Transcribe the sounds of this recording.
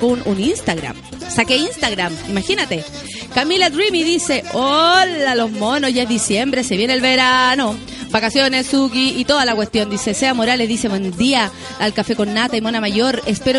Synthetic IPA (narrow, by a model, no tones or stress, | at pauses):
knuninst̪aɣɾa̰m | sakeinst̪aɣɾamimaxinat̪e | kamilad̪ɾimiðise̞olalo̞zmo̞nozʝaezðisje̞mbɾeseβjenelβeɾano | bakasjo̞nessukiːt̪o̞ðalakwest̪jo̞nd̪ise̞seamo̞ɾaleðise̞βwend̪iaː | lkafe̞ko̞nːat̪aimo̞namaʝo̞ɾespeɾo